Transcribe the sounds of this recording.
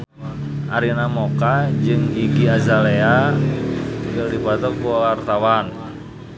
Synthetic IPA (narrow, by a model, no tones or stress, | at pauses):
ʔaɾinamokad͡ʒɨŋikiazalea | dadipat̪ɔkuawart̪awan